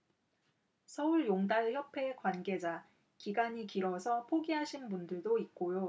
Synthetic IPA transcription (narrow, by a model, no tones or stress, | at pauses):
sʰʌuɭjoŋdaɭçjʌpʰe̞kwanɡe̞d͡ʑa | kiɡaɲikiɾwʌsʰʌpʰoɡiɦaɕʰinbundɯɭdoit̚k͈ojo